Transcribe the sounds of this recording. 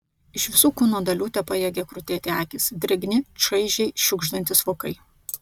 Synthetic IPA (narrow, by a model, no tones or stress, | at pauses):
ɪʃʋʲɪsuːkuːnoːd̪ɐlʲuːt̪ʲɛpɐjɛːɡʲɛkɾʊt̪ʲeːt̪ʲɪæːkʲɪsd̪ʲɾʲɛɡʲnʲɪʃɐɪʒʲɛɪʃʲʊɡʒd̪ɐnʲt̪ʲɪsʋoːkɐɪ